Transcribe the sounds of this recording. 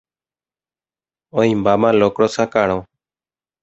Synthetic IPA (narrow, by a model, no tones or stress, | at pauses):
oːĩːbaːmãːloːkɽoːsãːkaːɳõː